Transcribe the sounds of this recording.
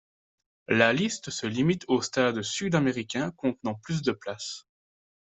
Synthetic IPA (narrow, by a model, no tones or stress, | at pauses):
lalist̪səlimit̪ʰost̪ad̪syd̪ameʁikʲɛ̃kɔ̃t̪nɑ̃plys̬d̪əplas